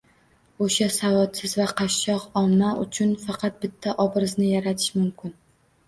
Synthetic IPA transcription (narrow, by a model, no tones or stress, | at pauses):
oʃasavɒt̪sɪzvaqʰɑʃːɒqɒmnaʔʊ̰t͡ʃʰʊnfɑqʰɑt̪̚bɪt̪ʰːaʔɒbɾɪznɪjaɾat̪ʰɪ̥ʃmʊmkʲɪn